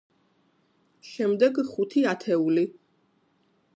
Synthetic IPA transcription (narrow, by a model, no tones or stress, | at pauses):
ʃɛmd̪ɛɡχut̪ʰiat̪ʰɛuli